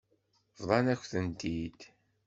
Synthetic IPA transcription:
vðˤɑnæçʷθənt̪id̪

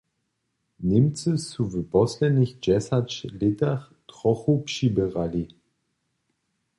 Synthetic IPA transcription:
nɪmt͡səsuvəbɔslɛnɪçd͡ʒɛsat͡ʃlɪtaχ | tʁ̥ɔχopʃibəʁali

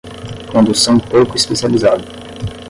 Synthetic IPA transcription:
kõd̪usɐ̃w̃powkʊispesializad̪ʊ

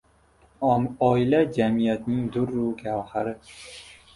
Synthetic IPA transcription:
ɒɪlad͡ʒamijat̪nɪŋd̪ʊɾːukʲʰawhaɾɪ

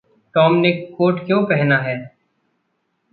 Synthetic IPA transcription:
ʈɔːmnekoːʈkjõːpɛɦnaɦɛː

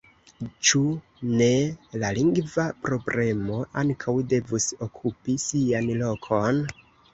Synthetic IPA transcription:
t͡ʃu | ne̞laliŋɡvapɾo̞bɾʔe̞mo̞ʔaŋkʰawde̞vuso̞kʰupisianlo̞kʰo̞n

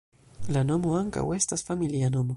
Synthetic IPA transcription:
lanomoaŋka̰west̪asfamiljanomo

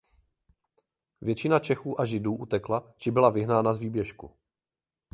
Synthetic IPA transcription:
vjɛt͡ʃɪnat͡ʃɛxuːʔaʒɪduːʔut̪ɛklat͡ʃɪbɪlavɪɦnaːnazviːbjɛʃkṵ

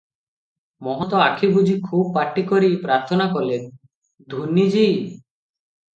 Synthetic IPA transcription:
mɔɦɔt̪ɔakʰibud͡ʒʱikʰubpaʈːikɔɾipɾaɾt̪ʰɔnakɔlen | d̪ʱunːid͡ʒi

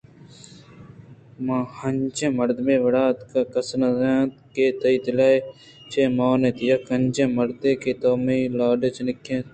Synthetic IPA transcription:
mãːhɐɲt͡ʃẽmɐɾd̪mẽːʋɐɽaːt̪kakɐsnɐzaːt̪keːt̪ɐiːt̪ɪlaːe | t͡ʃeːmaːnẽːt̪jɐkɐnd͡ʒẽːmɐɾd̪eːkeːt̪oːmiːlaːɖet͡ʃnɪkʰːẽːt̪

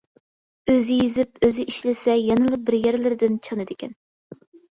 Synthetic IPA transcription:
øzɪjizɪp̚øzɪʔiʃlɪsɛjɑnɨlˠɨq̚bɪɾjɛɾlɪɾɪd̪ɪnt͡ʃʰɑnɨd̪ɪkʲɛn

